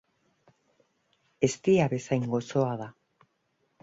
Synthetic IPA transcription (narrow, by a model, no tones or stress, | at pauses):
e̞st̪iaβe̞sajŋɡo̞soaða